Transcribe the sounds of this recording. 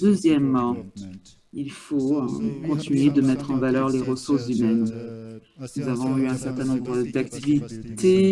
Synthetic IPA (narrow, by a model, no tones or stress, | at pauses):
d̪øzjɛmːɑ̃ | ilfokɔ̃t̪inɥed̪əmɛt̪χɑ̃valœʁleʁəsuʁszymɛn | nuzavɔ̃yɛ̃sɛʁt̪ɛ̃nɔ̃bʁəd̪akt̪ivit̪e